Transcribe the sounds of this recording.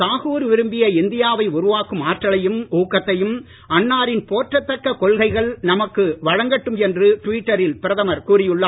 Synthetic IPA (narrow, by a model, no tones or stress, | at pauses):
saːɣuːɾʋɪɾɯmbɪjɐɪnd̪ɪjaːʋɐɪʊɾʊʋaːkɯmaːʈːɐɭɐjɯmuːkːɐt̪ːɐjɯm | ɐnːaːɾɪnpoːʈrɐt̪ːɐkːɐkɔɭɣɐɪɣɐɭnɐmɐkːɯʋɐɻɐŋɡɐʈːɯmɛndrɯʈʋiːʈːɐɾɪlpɪɾɐðɐmɐɾkuːɾɪjɯɭːaː